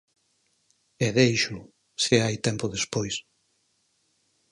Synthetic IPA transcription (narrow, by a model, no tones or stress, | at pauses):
ɛðejʃʊ | seajt̪ɛmpʊðespojs